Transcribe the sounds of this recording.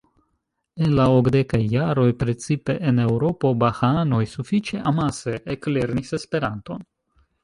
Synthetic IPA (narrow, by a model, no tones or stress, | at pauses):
e̞nlaokde̞kajːaɾo̞jpɾe̞t͡sipe̞ʔene̞wɾo̞po̞baxano̞jsufit͡ʃe̞ʔamaseekle̞ɾnise̞spe̞ɾanto̞n